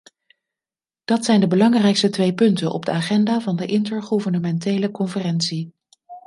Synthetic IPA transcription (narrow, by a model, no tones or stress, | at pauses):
d̥ɑtsɛjndəbəlɑŋrɛjkstətʋejpɵntənʔɔ̰b̚dəaːχɛndaːvɑndəʔɪntəɹχuvəɹnəmɛntejləkɔnfərɛnsi